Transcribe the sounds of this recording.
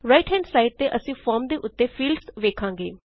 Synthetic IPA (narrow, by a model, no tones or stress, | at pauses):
ɾaːɪʈɦɛ̃ːɳɖsaːɪiʈ̚t̪eːʔəsĩːfʰɔːɾmd̪eːʔʊt̪ːeːfʰiːlɖsʋeːkʰãːŋɡeː